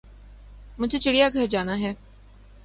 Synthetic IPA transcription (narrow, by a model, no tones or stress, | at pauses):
mʊd͡ʒʱet͡ʃiɽijaːɡʱɐɾd͡ʒaːnaːɦɛː